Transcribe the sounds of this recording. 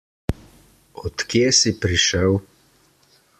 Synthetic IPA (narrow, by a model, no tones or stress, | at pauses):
ɔt̪kjeːsipɾiʃəw